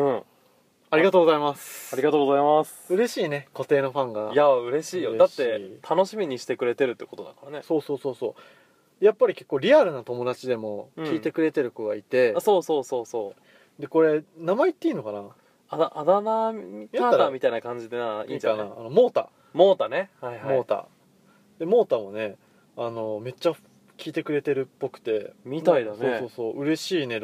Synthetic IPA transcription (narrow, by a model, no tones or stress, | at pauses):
ɯ̟̃ɴ | aɾʲiɡat̪o̞ːɡo̞zaimasɨ̥aɾʲiɡat̪oːɡozaimasɨ̥ɯ̟ɾe̞ɕiːne̞ko̞t̪e̞ːno̞ɸãŋɡajaɯ̟ɾe̞ɕiːjod̪at̪ːe̞t̪ʰano̞ɕimʲiɲ̟iɕi̥t̪e̞kɯ̟ɾe̞t̪e̞ɾɯ̟t̪ːeko̞t̪o̞d̪akaɾane̞so̞ːso̞ːso̞ːso̞ː | d̪̥ejapːaɾʲike̞̥kːoːɾʲiaɾɯ̟nat̪o̞mo̞d̪at͡ɕid̪e̞mo̞̟iːt̪e̞kɯ̟ɾe̞t̪e̞ɾɯ̟koɡait̪e̞so̞ːso̞ːso̞ːso̞ː | d̪e̞ko̞ɾe̞namait̪ːeiːno̞kana | aaʔad̪anaiaamʲit̪ainakãɲ̟d͡ʑid̪enaiakanaːno̞mo̞ːt̪a̰ | moːt̪anehaimo̞ːt̪a̰ | d̪̥e̞mo̞ːt̪amone̞ | ano̞me̞t͡ɕːa | kʲʰiːt̪e̞kɯ̟ɾe̞t̪e̞ɾɯ̟pːo̞kɯ̟̥t̪e̞mit̪aid̪soːso̞ːsoːɯ̟ɾe̞ɕiːne̞